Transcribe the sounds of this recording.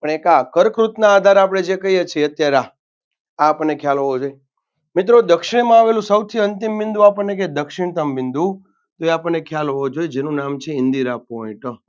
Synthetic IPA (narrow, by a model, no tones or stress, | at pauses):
pəɳekakəɾkɾut̪naːd̪ʱaɾapɽ̃ed͡ʒekəijet͡ʃʰeət̪jaɾa | aːpəɳnekʰjalɦoʋod͡ʒoje | mɪt̪̬ɾod̪əkʃɪɳ̃mãaːʋelũsəwt̪ʰiənt̪imʋɪnd̪uapəɳnek̬ed̪əkʃɪɳ̃t̪əmʋɪ̃nd̪u | t̪oeapəɳːekʰjalɦood͡ʒojed͡ʒenũnamt͡ʃʰeɪnd̪iɾapoĩʈə